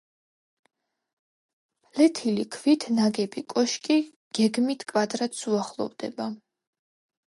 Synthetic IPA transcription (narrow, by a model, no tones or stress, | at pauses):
plɛt̪ʰilikʰvit̪ʰnaɡɛbikʼɔʃkʼi | ɡ̥ɛɡmit̪ʰkʼvad̪ɾat̪suaχlˠɔ̰vd̪ɛ̰ba